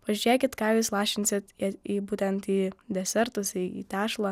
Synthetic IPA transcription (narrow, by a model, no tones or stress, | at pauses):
ʋɐʒʲyɾʲeːkʲɪt̪kɑɪʋʲɪslˠɑːʃʲɪnʲsʲɪt̪iːbuːt̪ʲɛnt̪iːd̪ʲɛsʲɛɾt̪ʊsiːḭːt̪ʲæːʃlˠɐ